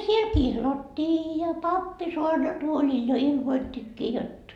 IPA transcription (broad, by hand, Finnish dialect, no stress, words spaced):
siel kihlɑtːiː jɑ pɑpːi soɑrnɑtuolil jo ilmoitːikːiː jot